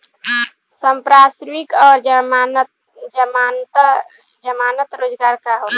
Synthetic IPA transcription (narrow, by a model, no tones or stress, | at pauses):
səmpɾasɾmikɔːɾ | d͡ʒəmat̪ | d͡ʒəmaːnət̪ɾoːd͡ʒɡaːɾkaɦot̪